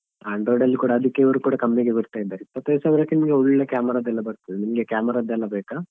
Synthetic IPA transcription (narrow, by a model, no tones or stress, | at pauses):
aːɳɖɾoːɖɐlːikuːɽɐːd̪ikːeʋɐɾukuːɽɐkɐmːiɡebɐɾt̪aːjid̪ːaːɾipːɐt̪ːɐjusaːʋɐɾɐkːenimɡeuɭːilːɐkaːmɐɾaːd̪ɛlːɐbɐɾt̪ɐd̪inimɡekaːmɐɾaːd̪ɛlːɐbɛːka